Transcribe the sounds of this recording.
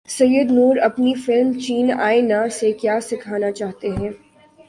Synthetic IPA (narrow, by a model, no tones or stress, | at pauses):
sɐjːəd̪nuːɾɐpnifɪlmt͡ʃiːna̰ːenasekjaːsɪkʰaːnat͡ʃaːɦt̪eɦɛ̃ː